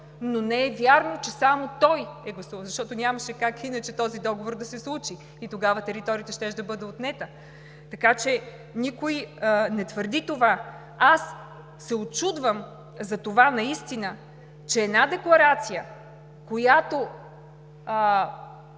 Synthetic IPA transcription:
nonɛɛvʲjaɾnot͡ʃɛsamot̪ɔjɛɡlˠɐsuvəzɐʃt̪ɔt̪onʲamɐʃɛkakinɐt͡ʃɛt̪ɔzid̪ɔɡovoɾd̪ɐsɛslˠut͡ʃiːt̪oɡavɐt̪ɛɾit̪ɔɾʲiət̪ɛʃt̪ɛʃd̪ɐbɤd̪ɛot̪nɛt̪ə | t̪ɐkat͡ʃɛ | nʲikojnɛt̪vəɾd̪it̪ova | asː | ɛott͡ʃud̪vəm | zɐt̪ovanɐist̪inə | t͡ʃɛːdnad̪ɛklˠɐɾat̪sijə | kojat̪o

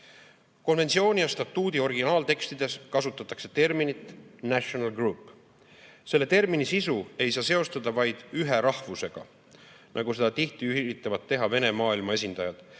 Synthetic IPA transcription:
ko̞nve̞nt̪sio̞ːnʲijɑst̪ɑt̪ːˑuːd̪io̞rɡinɑːlt̪e̞kst̪id̪e̞skɑsut̪ːˑɑt̪ːˑɑkse̞̥t̪e̞rminit̪ˑnæɕonɑlɡruːpːˑ | se̞lːet̪e̞rminisisue̞jsɑːse̞o̞st̪ɑd̪ɑvɑjd̪̥yɦe̞ɾɑhvuse̞ɡ̥ɑ̰ | nʔɑɡ̥use̞d̪ɑt̪iht̪iyɾit̪ːˑɑvɑd̪̚t̪ːe̞ɦɑve̞ne̞mɑːilmɑe̞s̬ʲind̪̥ɑjɑd̪̥

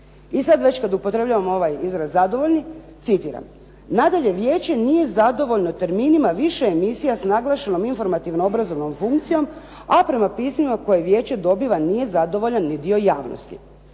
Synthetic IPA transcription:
isad̪ʋe̞t͡ɕkad̪upot̪ɾe̞bʎaʋamo̞ʋajizɾazːad̪o̞ʋo̞ʎʲnit̪sit̪iːɾa̰m | nad̪aʎe̞ʋje̞ːt͡ɕe̞nije̞zad̪o̞ʋo̞ʎnot̪e̞ɾmiːnimaʋiʃeemisijasnaɡlˠaʃe̞no̞minfo̞ɾmat̪iʋnoobɾazo̞ʋno̞mfuŋkt̪sijo̞m | apɾe̞mapiːsmimako̞jeʋje̞ːt͡ɕe̞d̪o̞biʋanije̞zad̪o̞ʋo̞ʎanːid̪io̞jaːʋno̰st̪ḭ

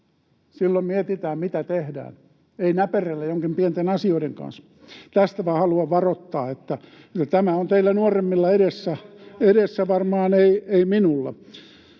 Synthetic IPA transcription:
silːommiet̪it̪æːmmit̪æt̪ehdæ̰ːn | einæperelːæjoŋkimpient̪enɑsioiɾeŋkɑ̰ns | t̪æst̪æʋɑhɑluɑʋʋɑrot̪ːɑːet̪ːæ | et̪ːæt̪æmæont̪eilːænuoremːilːɑeɾesːæeɾesːæʋɑrmɑːneieiminulːɑ̰

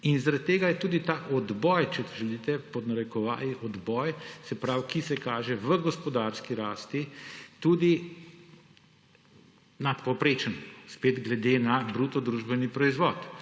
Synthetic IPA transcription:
inzaɾad̪̚t̪ːeːɡajɛt̪uːd̪it̪aːʔɔd̪bɔːjt͡ʃɛt̪ʒɛlit̪ɛpɔnaɾɛkɔʋa̰ːliʔɔd̪bɔjsɛpɾawkisɛkaːʒɛʋəɡɔspɔd̪aɾskiɾaːst̪it̪uːd̪i | nat̪pɔpɾeːt͡ʃənspeːd̪ɡlɛd̪enabɾuːt̪ɔd̪ɾuʒbɛnipɾɔizʋɔːt̪

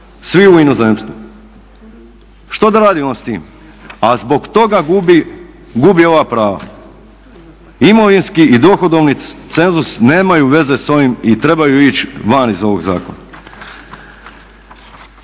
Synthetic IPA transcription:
sʋiuino̞zemst̪ʋu | ʃt̪od̪aɾaːd̪ionst̪ḭːm | azbo̞ɡt̪o̞ɡaɡubi | ɡubio̞ʋapɾaːʋa̰ | imo̞ʋinskiʔid̪o̞xod̪o̞ʋnit̪se̞nzusneːmajuʋe̞ze̞so̞ʋimit̪ɾe̞bajuit͡ʃʋanizo̞ʋo̞ɡza̰ːko̞̰na

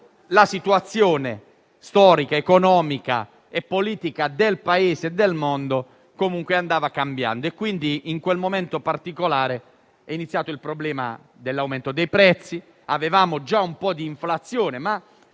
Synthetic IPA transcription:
lasit̪wat̪sːjoːnḛ | st̪ɔːɾikaekonɔːmika̰ | epːoliːt̪ikad̪elpaeːzeːd̪ːelmond̪o | komuŋkweand̪aːvakambja̰nd̪oɛkːwind̪iːŋkwelmomɛnt̪opart̪ikolaːɾe | ɛinit̪sːjaːt̪oilpɾoblɛːma̰ | d̪elːawmɛnt̪od̪ejpɾɛt̪sːi | avevaːmod͡ʒaumpɔd̪iːɱflat̪sːjoːnema

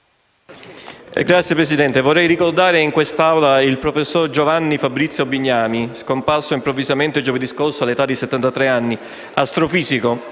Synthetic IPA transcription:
ɡɾat̪sjepɾesid̪ɛnt̪evorːɛjɾikord̪aːɾeiŋkwest̪awlailpɾofesːord͡ʒovanːifabɾit̪sːjobiɲːaːmiskomparsoimpɾovːizament̪ed͡ʒoved̪iskorsoalːet̪ad̪ːiset̪ːant̪at̪ɾɛanːi | ast̪ɾofiːziko

